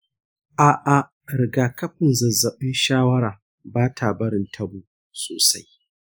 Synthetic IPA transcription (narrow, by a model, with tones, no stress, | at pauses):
ʔaː˨ʔa˨ | ɾɪ˨ɡaː˨kɐ˦ɸɪ˨nzɐ˨zɐ˨ɓɪ˦nʃaː˦wɐ˦ɽaː˨ | baː˦tʰaː˨bɐ˦ɽɪ˨ntʰɐ˦buː˦ | soː˨sa˦j